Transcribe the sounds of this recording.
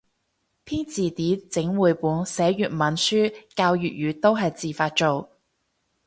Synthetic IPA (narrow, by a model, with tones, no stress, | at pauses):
pʰiː˥nt͡siː˨t̪iː˨˥t͡sɪ˨˥ŋwuː˨˧jpuː˨˥nsɛː˨˥jyː˨t̚mɐ˨˥nsyː˥kaː˧wjyː˨t̚jyː˨˧t̪o˥wɦɐ˨jt͡siː˨˩faː˧t̚t͡ʃo˨w